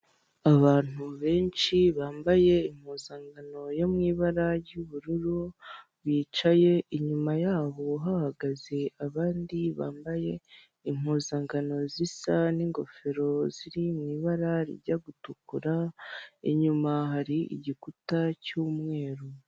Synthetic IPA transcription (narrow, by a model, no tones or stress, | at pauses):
aβaːn̥huβe̞ːnt͡ʃiβaːmbaje̞im̥huːzaŋɡano̞jomŋiːβaɾaɾɟuβuɾuɾu | βiːt͡ʃaje̞ʔiɲumajaːβo̞ɦahaɡaze̞aβaːndiβa̰ːmbaje̞ | im̥huːzaŋɡano̞zisaniŋɡo̞̰fe̞ɾo̞ziɾimŋiːβaɾaɾḭɾɟaɡutukuɾaḭɲumaɦaɾiʔḭɟikutacuːmŋe̞ːɾu